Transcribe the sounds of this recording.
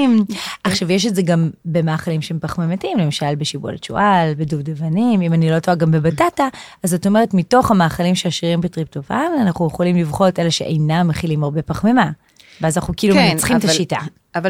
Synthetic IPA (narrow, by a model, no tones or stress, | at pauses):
mʔaχʃavjeʃ̬etze̞ɡambe̞maːχalimʃehempaχmematimle̞maʃalbeʃibo̰let͡ʃo̰ʔalbeduvdevanimimanilo̞toaɡambebatataʔazatome̞ʁ̞etmito̞χhamaːχalimʃeaʃiʁimbetʁip̚tofananaχujeχolimlivχo̞teleʃeʔejnamːeχilimaʁbe̞paχmema | veazanaχnukiiːlumenat͡sχitaʃita̰ | v